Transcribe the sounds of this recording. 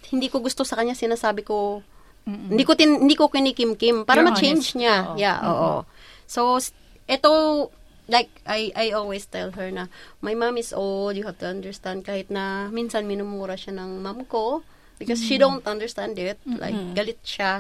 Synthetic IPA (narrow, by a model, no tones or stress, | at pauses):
hɪnd̪iːkoɡʊst̪osɐkɐɲɲasɪnaːsaːbɪko | hɪnd̪ikot̪ɪɪ̃nd̪ikokɪnikɪmkɪmpaːɾɐmɐt͡ʃejnd͡ʒɲajaʔo̰ːʔo̰ | sows | ʔɛt̪o | lajk̚ʔajʔajolwest̪ɛlɦɛɹnɐmɐjmamɪsʔowld̪jʊhavt̪ʊɐ̃nd̪əɹst̪and̪̚kaːhɪt̪̚nɐminsɐnmɪnʊmuːɾɐʃanɐŋmamko | bɪkɔsʃid̪õwnt̪ʔɐ̃nd̪əɹst̪ãnd̪ɪt̪̚la̰jk̚ɡɐlɪt̪̚ʃa